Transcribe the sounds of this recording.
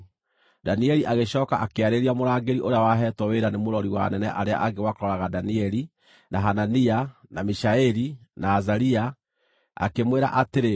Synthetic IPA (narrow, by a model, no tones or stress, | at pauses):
daniɛɾiʔaɣeɕɔːkaʔakeaɾeɾiamoɾaːɡeɾiʔoɾeawaɦɛtwɔweɾanemoɾɔɾiwa̰nɛnɛʔaɾea̰ʔaɡewakoɾɔɾaɣadaniɛɾi | naɦananianamiʃaɛɾinaːzaɾia | a̰kemweɾa̰ʔateɾe